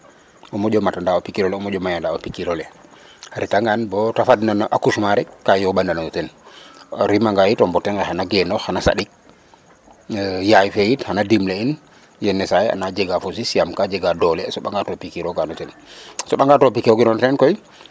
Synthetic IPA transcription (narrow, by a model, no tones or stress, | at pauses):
ʔɔmɔɟɔmatandaɔpikiɾɔlɛɔmɔd͡ʒɔmajandaɔpikiɾɔlɛ | haɾitaŋɡanbɔtafadnanaʔakuʃmaɾɛkːajɔɓandanɔɔtɛn | ɾimaŋɡajitɔmbɔtɛnɡɛhanaɡɛnɔxanasa̰ɗik̚ | jajfɛjithanadimlein | jɛnːɛsajɛa̰nad͡ʒɛɡafos̬isiamkad͡ʒɛɡadɔlɛsɔɓaŋɡatɔpikiɾɔɡanɔtɛn | sɔɓaŋɡatopikiɔɡɛnɔnɔtɛnkɔj